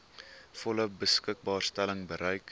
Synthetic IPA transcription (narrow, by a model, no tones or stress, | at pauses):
fɔləbəskək̚bɑːrstæləŋbəɾɛjk